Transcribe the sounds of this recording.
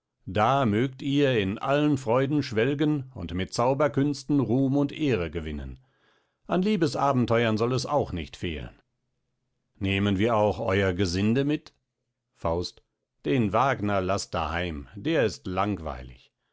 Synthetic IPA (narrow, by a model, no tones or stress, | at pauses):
d̥aːmøːktiːɐɪnʔa̰lənfʁ̥ɔʏdn̩ʃv̥ɛlɡənʊ̰ntmɪt̚t͡saʊbɐkʏnstn̩ʁuːmʊntʔeːʁəɡəvɪnə̰n | ʔanliːbəsʔaːbm̩tʰɔʏɐnzɔlɛsa̰ʊxnɪçtfḛːlə̰n | neːmənviːɐaʊxʔɔʏɐɡəzɪndəmɪt | faʊst | d̥eːnvaːɡnɐlastd̥a̰haɪmd̥eːɐɪstlaŋv̥a̰ɪlɪ̰ç